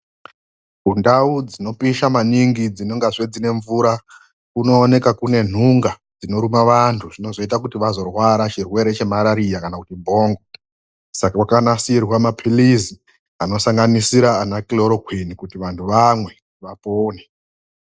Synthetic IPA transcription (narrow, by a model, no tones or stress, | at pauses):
ɡʱundaud͡zino̞piʃamaniŋɡid͡zino̞ŋɡaʐed͡zine̞ɱvuːɾa | kuno̞ːne̞kakune̞n̤uŋɡa | d͡zino̞ɾumaʋantʰuʐ̥ino̞zo̞it̬akutiʋazo̞rwaɾat͡ʃirwe̞ɾe̞t͡ʃe̞maɾaɾijakanakutibʱo̞ːŋɡo | sakawakanasirwamapʰilizi | ano̞saŋɡanisiɾaːnakiloɾokwinikutiʋantʰuʋamwe̞kutiʋapoːne